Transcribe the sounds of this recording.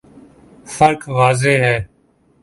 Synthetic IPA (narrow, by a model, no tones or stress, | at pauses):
fəɾkʋaːzeːɦɛː